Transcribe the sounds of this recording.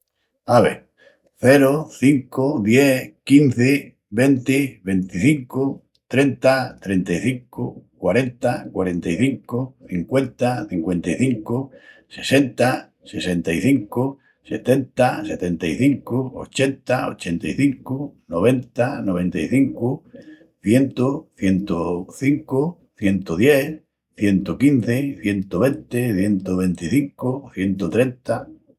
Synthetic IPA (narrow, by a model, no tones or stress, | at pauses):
aβḛ | θe̞ɾoθiŋkoðjekinθe | βe̞nt̪eβe̞nt̪iθiŋko | t̪ɾe̞nt̪at̪ɾe̞nt̪ajθiŋkokwaɾe̞nt̪akwaɾe̞nt̪ajθiŋkoθiŋkwe̞nt̪aθiŋkwẽ̞nt̪ajθiŋkose̞se̞nt̪a | se̞se̞nt̪aiθiŋko | se̞t̪e̞nt̪ase̞t̪e̞nt̪aiθiŋkoo̰t͡ʃe̞nt̪ao̰t͡ʃe̞nt̪aiθiŋkonoβ̞e̞nt̪anoβ̞ẽ̞nt̪aiθiŋko | θje̞nt̪oθje̞nt̪oθiŋko | θje̞nt̪oðje̞ | θje̞nt̪okinθeθje̞nt̪oβe̞nt̪eθje̞nt̪oβẽ̞nt̪iθiŋkoθje̞nt̪ot̪ɾe̞nt̪a